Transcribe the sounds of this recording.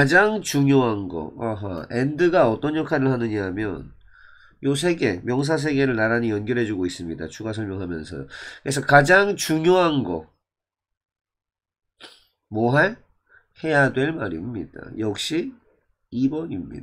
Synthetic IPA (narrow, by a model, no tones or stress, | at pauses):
kad͡ʑaŋt͡ɕuŋjoɦanɡʌ̰aɦa̰endɯɡaʌt͈ʌnjʌkʰaɾɯɭhanɯɲamjʌn | jos̬ʰeɡe̞mjʌŋs̬ʰas̬ʰe̞ɡe̞ɾɯɭnaɾaɲijʌnɡjʌɾɦe̞d͡ʑuɡois͈ɯmɲida̰t͡ɕuɡas̬ʰʌɭmjoŋɦamjʌ̰nsʰʌ̰jokɯɾes̬ʰʌkad͡ʑaŋt͡ɕuŋjoɦanɡʌ | mwʌɦaɭ | he̞jadwe̞ɭmaɾḭmɲḭda̰jʌk̚ɕ͈i | ibʌɲimɲḭda